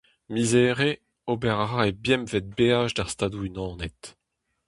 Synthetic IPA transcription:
mizeːʁe | obɛʁaʁaebjɛmvɛt̪̚beːaʒdaʁst̪aːd̪uynɑ̃ːnet̪

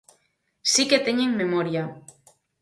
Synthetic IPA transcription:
siket̪eɲeŋme̞moɾia

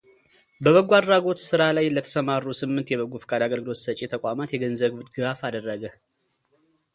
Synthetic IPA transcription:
bəβəɡuad̪ɾaɡo̞t̪sɨɾalajlət̪ʰə̥səmarːusɨmːɨnt̪jɛβəɡufɨ̥kʼad̪aɡəlɡɨlo̞t̪sət͡ʃʼːet̪ʰəkʷʼamat̪jɛɡənzəβbɨd̪ɡɨɡafad̪ərːəɡə

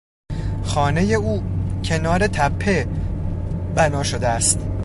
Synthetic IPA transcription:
xɒːne̞je̞uːcʰe̞nɒːɾe̞t̪ʰæpʰːe | bænɒːʃod̪eæst̪

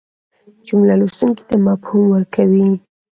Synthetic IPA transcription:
d͡ʒʊmlalust̪uŋki̥t̪amɑphumwəɾkʰawi

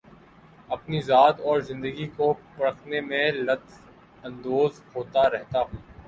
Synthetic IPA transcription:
ɐpnizaːt̪ɔːɾzɪ̃nd̪əɡikopɐɽəkʰnemẽlɐt̪ | ɐ̃nd̪oːzhoːt̪aɾɛɦt̪aɦũː

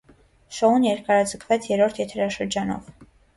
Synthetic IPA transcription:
ʃɔunjɛɾkɑɾɑd͡zəkʰvɛt͡sʰjɛɾɔɾt̪ʰjɛt̪ʰɛɾɑʃəɾd͡ʒɑnɔ̰v

